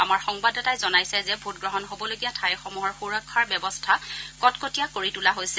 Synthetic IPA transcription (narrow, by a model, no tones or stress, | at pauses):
amaɹxɔŋbadɔtajzɔnajsɛzɛbʱut̚ɡɹɔɦɔnɦobɔloɡijatʰajxɔmuɦɔɹxuɹakʰːaɹbɛbɔstʰakɔtkotijakoɹitulaɦojsɛ